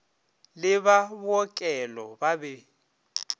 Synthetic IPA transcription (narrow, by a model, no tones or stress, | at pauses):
lɪβabɔkʼɛlɔbabɛ